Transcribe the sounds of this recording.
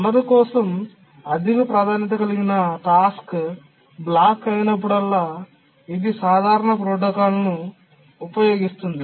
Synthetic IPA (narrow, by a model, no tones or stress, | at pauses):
lːɐɾikɔːsɐm | ɐd̪iɡɐpɾaːd̪ʱaːnjɐt̪̬ɐkɐliɡinɐʈaːsk | blaːkːɐjinɐp̬ːuɽɐlːaː | id̪isaːd̪ʱaːɾɐɳɐp̬ɾoːʈ̬ɐkaːlɐnuː | pɐjo̞ːɡist̪und̪i